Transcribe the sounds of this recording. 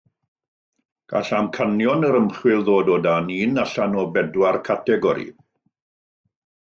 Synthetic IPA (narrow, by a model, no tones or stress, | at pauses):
ɡ̥a̰ɬamkʰanjɔnəɾəmχwɪlˠðoːdoːdaniːnaɬanɔbɛdwarkʰatʰɛɡɔɾḭ